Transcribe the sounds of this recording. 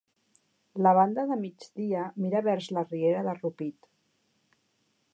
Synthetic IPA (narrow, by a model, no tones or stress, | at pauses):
ləβ̞and̪əðəmid͡ʒd̪iəmiɾəβɛɾzlərieɾəðərupit̪